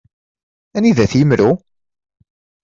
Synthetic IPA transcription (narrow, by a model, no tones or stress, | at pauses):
æniðæθjəmɾu